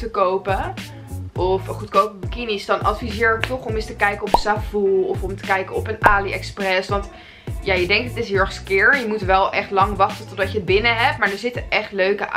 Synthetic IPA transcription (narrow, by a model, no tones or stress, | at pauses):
təkowpə | ʔɔfχutkowpkinisd̥ɑnʔɑtfizɪːɹtɔχɔmɪstəkɛjkəɔpəsavulˠɔfɔmtə̥kɛjkəɔpənaːliʔɛksprɛsʋɑnt | jaːjədɛŋk̚tətɪsɦɪlˠɛχskɪɹjəmutʋɛlˠʔɛχtlɑŋʋɑχtətɔdɑcəəd̚bɪnəɦɛp̚tmaːɹdəɹzɪtəʔɛχtløɥkə